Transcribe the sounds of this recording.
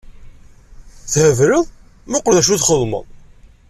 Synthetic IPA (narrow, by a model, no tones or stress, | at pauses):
θhəvɾəðˤ | mʊqlðæʃ̬uθχəðˤmə̰ðˤ